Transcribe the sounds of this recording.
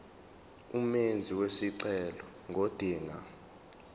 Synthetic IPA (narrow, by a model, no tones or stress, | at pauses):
umend͡zʱiwesiǀɛlɔ | ŋɡʱod̥ʱiːŋa